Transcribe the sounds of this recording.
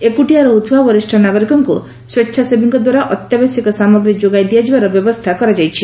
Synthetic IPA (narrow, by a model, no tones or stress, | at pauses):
ekuʈiaɾɔut̪ʰbabɔɾisʈʰɔnaɡɔɾikɔŋku | swetːʃʰasebʱiŋkɔd̪waɾaʔɔt̪jabɔsikɔsamɔɡɾid͡ʒoɡajd̪ijad͡ʒibaɾɔbjɔbɔst̪ʰakɔɾad͡ʒajt͡ʃʰi